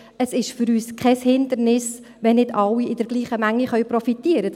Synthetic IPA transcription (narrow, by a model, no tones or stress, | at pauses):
əsɪʃfʏɾyːskχɛshɪnd̪əɾnɪs | ʋɛnːɪdɑwːiɪd̥əɾɡliːχəmæŋːiχœɥpɾɔfitiəɾə